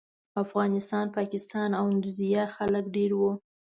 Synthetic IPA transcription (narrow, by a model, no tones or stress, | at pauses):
afɣɑnɪst̪ɑnpɑkɪst̪ɑnawɪnd̪uzijɑxaləkɖeɾwu